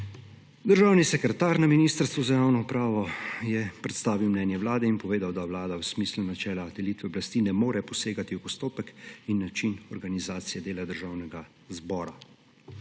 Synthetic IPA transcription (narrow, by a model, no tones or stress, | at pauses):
d̪əɾʒaːwnisɛkɾɛt̪aːɾnaminiːst̪əɾst̪ʋuzajaːwnɔupɾaːʋɔjɛpɾɛt̪st̪aːʋiwmnɛːnjɛʋwlaːd̪ɛinpɔʋeːd̪awd̪awlaːd̪awsmiːslunat͡ʃɛːlad̪ɛliːt̪ʋɛɔblast̪inɛmoːɾɛpɔseːɡat̪iwpɔst̪oːpɛkinːat͡ʃinɔɾɡanizaːt̪sijɛd̪eːlad̪əɾʒaːwnɛɡa | zbɔːɾa